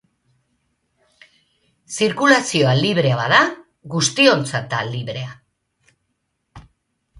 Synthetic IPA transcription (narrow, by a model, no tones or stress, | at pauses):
siɾkulasio̞aliβ̞ɾe̞aβaða | ɣust̪io̞nt͡sat̪aliβɾe̞a